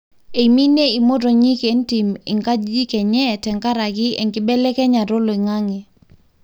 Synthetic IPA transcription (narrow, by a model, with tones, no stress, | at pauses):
e˨mi˦ne˦i˨mo˦to˨ɲi˦ke˨˦n˦ti˨mɪ̰˨ŋka˦d͡ʒd͡ʒi˦kɛ˨ɲɛ˦˨tɛ˨ŋka˦ɾa˨ɡɪ˦ɛ̰˨ŋɡɪ˦bɛ˦lɛ˦kɛ˦ɲa˨ɾo˦lo˨i˨ŋa˦ŋɛ˨